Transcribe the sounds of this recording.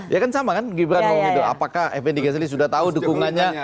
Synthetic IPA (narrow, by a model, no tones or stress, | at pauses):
jʔakansamakanɡibɾatmamidoa̰pakahɛ̰fɛndikɛs̬lis̬udaht̪audukuŋanɲa